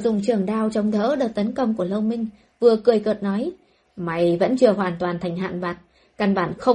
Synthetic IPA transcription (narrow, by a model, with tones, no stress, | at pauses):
zʊ̰˧˨ŋ͡mt͡ɕɨ˧˩əŋɗaː˧wt͡ɕɔ˧wŋ͡mt̪ʰə̰ː˧˥ɗɨ˨˩k̚t̪ə˨˦nkə˧wŋ͡mku˧˩ələ˧wmï˧ŋ̟ | vɨ˨˩əkɨ˨˩əjkɨəː˨˩t̚nɔ˨˦j | ma˨˦jvə̰˧˥nt͡ɕɨ˧əɦwaː˧˩nt̪waː˨˩nt̪ʰa˨˩jŋ̟ɦa̰ː˧˨nɓaː˨˩t̚ | ka˧nɓaː˧˩nxə˧